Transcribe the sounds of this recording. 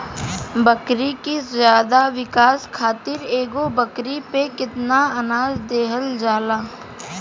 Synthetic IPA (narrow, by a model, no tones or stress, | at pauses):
bɐkɾikizjaːd̪aʋɪkaːskʰaːt̪ɪɾeːɡobɐkɾipekɪt̪naɐnaːd͡ʒd̪eːɦəld͡ʒaːlaː